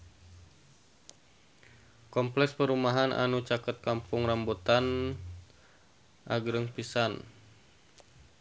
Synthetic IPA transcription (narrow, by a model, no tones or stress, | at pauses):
kɔmplɛkspəɾumaɦanʔa̰nut͡ʃakət̪̚kampʊŋrambot̪an | ʔa̰ɡɾəŋpisan